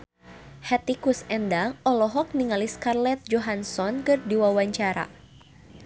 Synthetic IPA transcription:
hɛt̪ikusɛndaŋɔlɔɦɔk̚niŋaliskarlɛt̪̚d͡ʒɔɦansɔnkɨrdiwawaɲt͡ʃaɾa̰

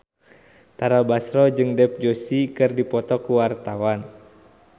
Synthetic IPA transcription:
t̪aɾabasɾɔd͡ʒɨŋdɛp̚d͡ʒosikɨrdipɔt̪ɔkuwart̪awan

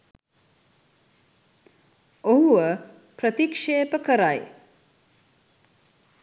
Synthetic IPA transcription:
oɦuə | pɾət̪ikʂeːpəkəɾaj

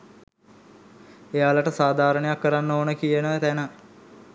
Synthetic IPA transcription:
ejaːlaʈəsaːd̪ʱaːɾəɳejakːəɾanːoːnəkijənəʋət̪ænə

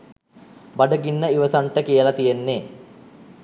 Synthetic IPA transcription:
baɖəɡinːəiʋəsaɳʈəkijəlat̪ijenːe

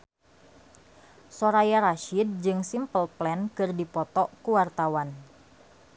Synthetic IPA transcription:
soɾajaɾaʃid̚d͡ʒɨŋsimpəlplɛnkɨrdipɔt̪ɔkuwart̪awan

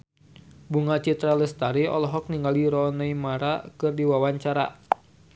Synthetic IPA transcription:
buŋat͡ʃit̪ɾaləst̪aɾiɔ̰lɔɦɔk̚niŋɡaliɾɔnaimaɾakɨrdiwawaɲt͡ʃaɾa̰

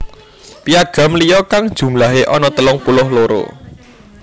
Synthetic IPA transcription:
piaɡ̥ä̤mlijɔkaŋd̥ʒ̥ṳmlaɦeʔɔnɔt̪əlʊŋpulʊhloɾo̰

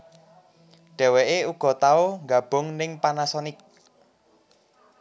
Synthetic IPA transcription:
ɖ̥ɛ̤weʔeuɡ̥ɔ̤t̪aoŋɡab̥ʊ̤ŋnɪŋpanasɔnɪk̚

